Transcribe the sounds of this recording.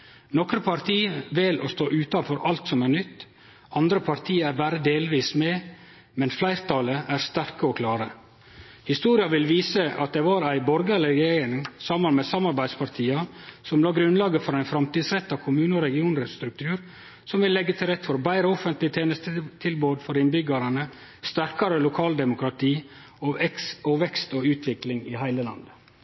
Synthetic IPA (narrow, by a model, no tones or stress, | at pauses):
nɔkɾəpʰɑɾt̪ʰiːʋɪlʔo̰st̪oːʔʉːt̪ɑnfɔɾʔɑlt̪sɔmæɾnʏt̪ː | ɑnd̪ɾəpʰɑɾt̪ʰiːæɾbæːɾəd̪eːlʋiːsmɛ | mɛnflæɪɾt̪ʰɑləʔæɾst̪æɾkəɔkʰlɑːɾə | hɪst̪uːɾɪɑʋɪlʋiːsəʔɑ̰t̪̚d̪ɛʋɑɾæɪbɔɾɡəlɛɡnɪŋsɑmɑnmɛsɑmɑɾbæɪ̥spɑɾt̪ʰiːɑsɔmlɑːɡɾʉnlɑːɡəfɔɾæɪnfɾɑmt̪iːd̪sɾɛt̪ːɑkʰʊmʉːnəɔɾɛɡɪuːnɾɛt̪st̪ɾʉk̚t̪ʰʉːɾ | sɔmʋɪlːɛɡːət̪ʰɪlɾɛt̪ːfɔɾbæɪɾəɔfənt̪lɪt̪ʰeːnəst̪ət̪ʰɪlboːd̪fɔɾɪnbʏɡɑɾɑnə | st̪æɾkɑɾəlʊkʰɑːld̪ɛmʊkɾɑt̪ʰiː | ɔɛksɔʋɛkst̪oːʉːt̪ʰʋɪklɪŋɪhæɪləlɑ̰nd̪ə